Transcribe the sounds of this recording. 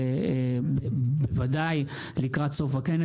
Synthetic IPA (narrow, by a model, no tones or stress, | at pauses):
bebevad̪aj | likʁat̪so̞fakene